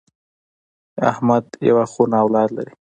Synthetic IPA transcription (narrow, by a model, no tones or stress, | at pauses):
a̰hmad̪ja̰waxunaːwlɑd̪la̰ɾi